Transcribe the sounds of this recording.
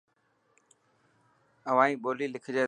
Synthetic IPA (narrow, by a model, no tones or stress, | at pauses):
əʋãːĩːɓoːliːlɪkʰd͡ʑeː